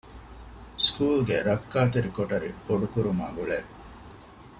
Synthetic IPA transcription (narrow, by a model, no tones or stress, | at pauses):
skuːlɡeɾɐkːaːt̪eɾikoʈɐɾḭboɖukuɾumaːɡuɭe